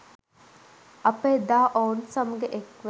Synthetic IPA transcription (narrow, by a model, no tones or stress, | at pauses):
ɐpeːd̪aːʔownsɐməɡeʔekʋe